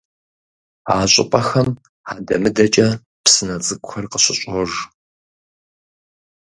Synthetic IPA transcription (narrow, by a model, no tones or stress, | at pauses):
a̰ːɕʼɪ̰pʼɐxɐm | aːdɐmɨdɐt͡ʃʼɐ | psɨnɐt͡sʼɨɡʷʼxʷɐrqəɕɪɕʷʼɔʒ